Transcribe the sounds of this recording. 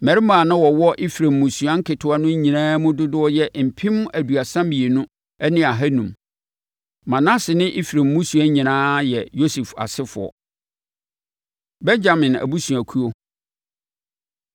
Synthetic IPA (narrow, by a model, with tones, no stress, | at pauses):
mɛ˨ɾɪ˦mã˨nã˦wɔ˨wɔ˦ʔɪ˦fi˨ɾã˨mːũ˨su˨ã˦ŋ̩˦kʰɪ˨tʰʊ˨˦a˦nʊ̃˦ɲĩ˨nãː˦mʊ̃˦dʊ˦dʊ˦ɔ˦jɛ˦m̩˨pʰĩ˦m˦æ˨du˨a˨sã˦mbi˨e˨nʊ̃˦ | ɛ˦nɪ̃˦a˨ɦæ˦nũ˨m | mã˨nã˦sɪ˨nɪ̃˦ʔɪ˦fi˨ɾã˨mːũ˦su˨a˦ɲĩ˨nãː˦jɛ˨jo˦su˨fa̰˨sɪ˦fʊ̰˨ɔ̰˨ | bɛ˦nd͡ʑa˨mɪ̃˨næ̰˨bu˦su˨æ˨kʰu˦o˦